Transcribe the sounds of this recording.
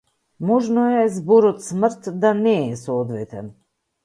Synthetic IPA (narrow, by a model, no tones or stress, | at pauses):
muʒnujas̬buɾut̪smɨɾt̪d̪aneesɔːd̪vet̪a̰n